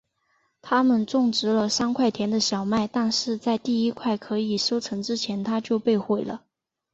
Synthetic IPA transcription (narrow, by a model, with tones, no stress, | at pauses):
t̪ʰa˥mə˨nʈ͡ʂʊ˥˩ŋʈ͡ʂɻ̩˧˥lə˧ʂɑ˥ŋkʰwa˥˩ɪt̪ʰjɛ˧˥nd̪ə˧ɕjɑ˨˩ʊma˥˩ɪt̪a˥˧ŋʂɻ̩˥˧t͡sa˥˧ɪt̪i˥˩i˥kʰwa˥˩ɪkʰɤ˧˥i˨˩ʂo˥ʊt͡sʰɤ˧˥ŋʈ͡ʂɻ̩˥t͡ɕʰjɛ˧˥nt̪ʰa˥t͡ɕjo˥˧ʊpe˥˧ɪxwe˥˩ɪlə˩